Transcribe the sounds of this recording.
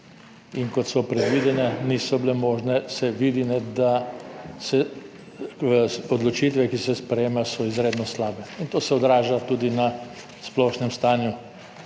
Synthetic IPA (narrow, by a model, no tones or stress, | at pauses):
inkɔt̪sɔpɾɛd̪ʋid̪ɛnɛnisɔbilɛmoːʒnɛsɛʋiːd̪inɛd̪asɛ | ɔd̪lɔt͡ʃit̪ʋɛkisɛspɾɛjeːmasɔizɾeːd̪nɔslaːbɛint̪oːsɛɔd̪ɾaːʒat̪ud̪ina | splɔʃnɛmst̪aːnju